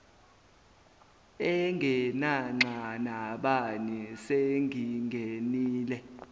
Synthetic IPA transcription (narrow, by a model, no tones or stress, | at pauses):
ɛŋɡʱɛnaŋ͡ǁʱanaɓanɛseŋʱiŋɡʱeniːlɛ